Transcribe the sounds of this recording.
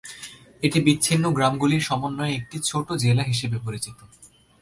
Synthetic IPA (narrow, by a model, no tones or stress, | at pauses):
eʈibiːɕʰinːoɡɾamɡuliɾʃɔmonːɔeek̚ʈit͡ɕʰoʈod͡ʑelaɦiʃebepoɾit͡ɕit̪o